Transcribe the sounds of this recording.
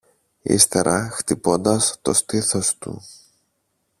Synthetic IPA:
ḭst̪e̞ɾɐxt̪ipo̞nd̪ɐst̪o̞st̪iθo̞st̪ṵ

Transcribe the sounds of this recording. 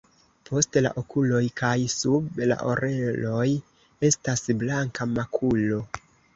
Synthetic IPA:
pʰo̞stla̰ʔo̞kulo̞jkajsubla̰ʔo̞ɾʔe̞lo̞j | e̞stasblaŋkamakʰulo̞

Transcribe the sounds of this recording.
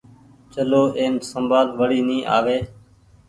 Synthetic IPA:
t͡ʃəloːʔeːnsəmbaːlʋəɽiːnĩːʔa̰ːʋeː

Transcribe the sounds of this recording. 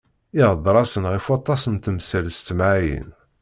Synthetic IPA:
iʁəd̪ˤɾˤɑsənʁifwɑt̪ˤːɑsənt̪əmsælst̪ːmʕajə̰n

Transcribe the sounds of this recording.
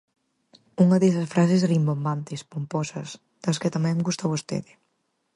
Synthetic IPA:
uŋɐðesɐsfɾas̬esrimbombant̪espumpɔsɐs | d̪̥ɐskɪt̪ɐmɛ̃ŋɡust̪aβost̪ḛðɪ

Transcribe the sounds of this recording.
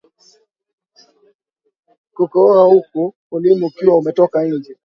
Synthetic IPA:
kukɔaukuːlimukiwaumɛtɔkaiɲd͡ʒɛ

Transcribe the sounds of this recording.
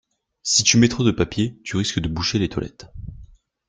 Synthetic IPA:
sit̪ymɛt̪χɔ̃d̪əpapjet̪yʁiskəd̪əbuʃelet̪wa̰lɛ̰t̪

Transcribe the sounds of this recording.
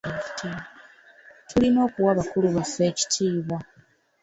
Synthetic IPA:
i̥tia | tulimo̞ːkuwaβakuluβafe̞ːci̥tʰiːβwa

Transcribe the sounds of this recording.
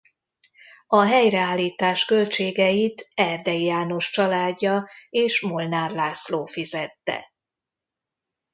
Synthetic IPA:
ɒɦɛjrɛaːlːiːt̪aːʃkø̞lt͡ʃeːɡɛjit̪ɛrd̪ɛjjaːno̞ʃt͡ʃɒlaːɟːɒeːʃmo̞lnaːrlaːsloːfizɛt̪ːɛ̰

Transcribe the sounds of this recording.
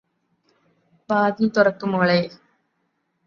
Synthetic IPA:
baːðit̪ʊrɐkːɯmoːɭeː

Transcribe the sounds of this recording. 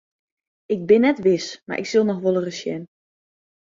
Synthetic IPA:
ɪɡ̚bɪnːɛtʋɪsma̰ɹʔɪ̰ksɪlˠnɔxʋolˠərəsjɛ̰n

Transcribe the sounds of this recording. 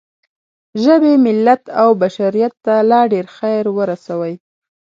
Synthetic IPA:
ʒəbemɪlːat̪awbaʃaɾijat̪ːalɑɖeɾxajɾwəɾasawəj

